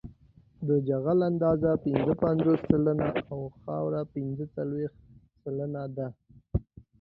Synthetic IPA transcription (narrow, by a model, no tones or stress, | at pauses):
d̪əd͡ʒaɣaland̪ɑzapɪnzəpanzosːalanaawxɑwɾapɪnzət͡salwext̪ | salanad̪a